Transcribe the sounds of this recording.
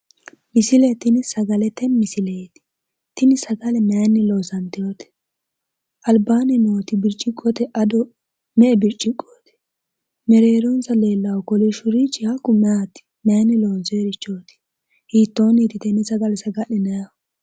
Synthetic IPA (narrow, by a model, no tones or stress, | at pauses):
mɪsɪlɛt̪ɪnɪsɐɡɐlɛt̪ɛmmɪsɪleːt̪ɪ̥ | t̪ɪnɪsɐɡɐlɛmɛjɐnːɪloːsɐnt̪ɪjoːt̪ɛ̥ | ʔɐlbaːnɪnoːt̪ɪbɪɾt͡ʃʼːɪkʼːɔt̪ɛʔɐd̪ɔ | mɛʔɛbɪɾt͡ʃʼːɪkʼːoːt̪ɪ̥ | mɛɾeːɾɔnsɐle̞ːlːɐwɔkɔlɪʃʊɾit͡ʃːɪhɐkːʊmɛat̪ɪ̥mɛjɐnːɪloːzɔeɾɪt͡ʃːoːt̪ɪ̥ | hiːt̪ːo̞ːnit̪ɪt̪ɛnɪsɐɡɐlɛsɐɡɐɗɪnɐjɐ